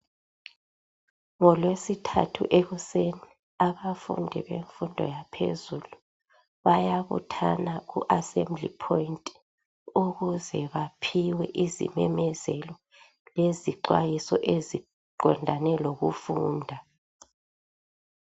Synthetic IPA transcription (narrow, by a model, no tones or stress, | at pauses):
ŋɔlwesitʰa̰tʰṵʔeɣuseni | aβafṵndʱiβeɱfundʱɔ̰japʰḛzulu | βajaβṵtʰa̰naɣṵʔasɛmblḭpʰɔintʼ | uɣuzɛβapʰiwɛ̰ʔizḭmɛ̰mɛzɛlɔ | leziǃwajisɔʔezi | ǃɔndʱanɛloɣufuːndʱa